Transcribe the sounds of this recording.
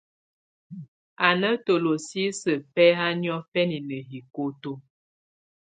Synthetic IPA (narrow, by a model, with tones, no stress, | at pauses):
a˨nə˦to˨lo˨si˦sə˨pɛ˦ɦa˦njɔ˦fɛ˦ni˨nə˨ɦi˨ko˦to˦